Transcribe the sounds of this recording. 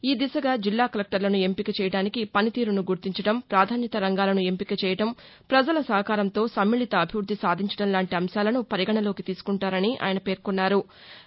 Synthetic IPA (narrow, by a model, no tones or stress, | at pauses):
iːd̪isɐɡaːd͡ʒilːaːkɐlek̚ʈɐɾlɐnue̞mpikɐt͡ʃɛːjɐɽaːnikipɐnit̪iːɾunuɡuɾt̪iɲt͡ʃɐɽɐmpɾaːd̪ʱaːnjɐt̪ɐɾɐŋɡaːlɐnue̞mpikɐt͡ʃɛːjɐʈɐm | pɾɐd͡ʒɐlɐsɐɦɐkaːɾɐnt̪o̞ːsɐmːiːɭit̪ɐːbʱiʋɾud̪ʱːisaːd̪ʱiɲt͡ʃɐɽɐmlaːɳʈiɐmʃaːlɐnupɐɾiɡɐɳɐlo̞ːkit̪iːsu̥kuɳʈaːɾɐniʔa̰ːjɐnɐpe̞ːɾkunːaːɾu